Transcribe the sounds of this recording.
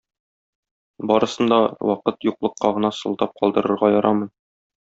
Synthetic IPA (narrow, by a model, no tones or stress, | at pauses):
bɒɾɤ̆sɤ̆nd̪ɑwɒqɤt̪juqlˠɤ̆qːɑʁɤ̆nɑsɤ̆lˠd̪ɑp̚qʰɒlˠd̪ɤ̆ɾɤ̆ɾʁɑjɒɾʔɑmɤn